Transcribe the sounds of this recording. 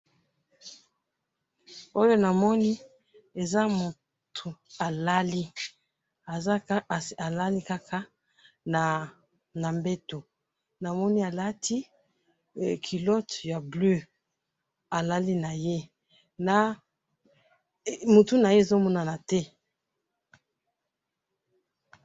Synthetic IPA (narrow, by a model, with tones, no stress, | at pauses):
o˦jo˦na˨mɔ˦ni˦ | e˨za˦mu˨ | tʰu˨a˨la˦li˦ | a˨za˨la˦li˦ka˦kʰa˦ | a˨ | na˨mbe˦to˨ | na˨mɔ˦ni˦a˨la˦tʰi˦˨ | kʰi˨lɔ˦tja˨blø˦ | a˨la˦li˦na˨je˦ | na˨ | mu˨tu˦na˨je˦e˨zo˦mɔ˦na˨na˨tɛ˦